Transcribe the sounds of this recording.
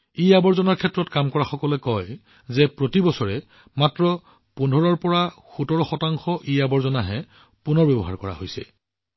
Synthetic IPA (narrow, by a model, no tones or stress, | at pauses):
ijabɔɹzɔnaɹkʰɛtɹɔtkamkɔɹaxɔkɔlɛkɔj | zɛpɹotibɔsɔɹɛ | matɹɔ | pundʱɔɹɔɹpɔɹaxutɔɹɔxɔtaŋxɔʔiabɔɹzɔnaɦɛ | punɔɹbɛbɔɦa̰ɹkɔɹa̰ɦojsɛ̰